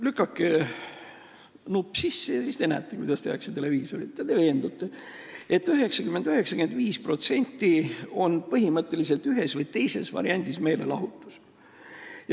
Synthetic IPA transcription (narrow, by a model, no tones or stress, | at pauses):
lykːˑɑkːe | nupːsisːejɑsist̪eenæ̰t̪ːˑekujd̪ɑst̪ehɑkset̪e̞le̞viːso̞ɾit̪ːɑt̪e̞ve̞ːnd̪̥ut̪ːˑee̞t̪ˑːyɦe̞ksɑkymend̪̥yɦe̞ksɑ̥ke̞nd̪viːspro̞t̪se̞nʲt̪ːio̞npɤɦimɤt̪ːˑe̞lise̞lt̪yɦe̞svɤjt̪e̞jse̞̰svɑ̰ɾiɑnʲd̪̥isme̞ːlelɑɦut̪ːˑu̥s | j